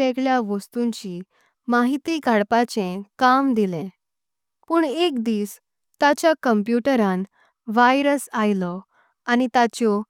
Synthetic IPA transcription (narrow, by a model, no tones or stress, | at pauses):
ekɭjaʋəst̪uɲt͡ɕi | maɦit̪iɡʱaɽpat͡ɕẽkamd̪ilẽ | puːɳekd̪iːs | t̪at͡ɕjakəmpjuʈəɾãn | ʋajɾəsajlɔ | anit̪at͡ɕɔ